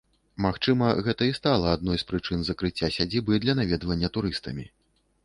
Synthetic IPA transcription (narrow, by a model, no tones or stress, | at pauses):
maxt͡ʂɨmɐɣɛt̪ɐist̪alˠɐad̪̚nɔjspɾɨt͡ʂɨnzɐkɾɨt͡sʲːasʲad͡zʲibɨd̪lʲɐnavʲɛd̪vɐnʲːɐt̪uɾɨst̪ɐmʲi